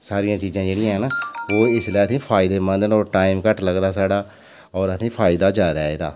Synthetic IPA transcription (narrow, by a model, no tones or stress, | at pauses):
saːɾɪjãːt͡ʃiːzãːd͡ʒeːɽɪjãːɦɛnaːoːɪsleːət̪ʰĩːpʰaːɪd̪eːmənd̪ənɔːʈaːɪmkəʈləɡd̪aːsaːɽaː | ɔːɾət̪ʰĩːpʰaːɪd̪aːd͡ʒaːd̪aːḛːd̪a̰ː